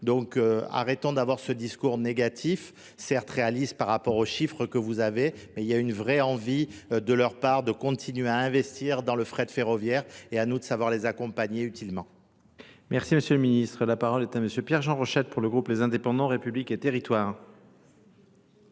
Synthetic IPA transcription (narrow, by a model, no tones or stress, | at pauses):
d̪ɔ̃køa̰ʁɛt̪ɔ̃d̪avwaʁsəd̪iskuʁneɡat̪ʰif | sɛʁt̪ʁealispaʁːapɔʁoʃifχəkəvuzavemɛiljaynvʁɛɑ̃vid̪əlœʁpaʁd̪əkɔ̃t̪ʰinɥeaɛ̃vɛst̪ʰiʁd̪ɑ̃ləfχɛd̪feʁɔvjɛʁeanud̪əsavwaʁlezakɔ̃paɲeyt̪ilmɑ̃ | mɛʁsiməsjøləminist̪χəlapaʁɔlɛt̪aməsjøpjɛʁʒɑ̃ʁɔʃɛt̪̚puʁləɡʁuplezɛ̃d̪epɑ̃d̪ɑ̃ʁepybliket̪eʁit̪waːʁ